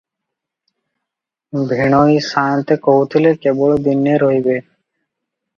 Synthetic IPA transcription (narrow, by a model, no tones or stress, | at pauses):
bʱiɳ̃oisaːnt̪ekɔɦut̪ʰilekeboɭod̪inːeɾɔɦibe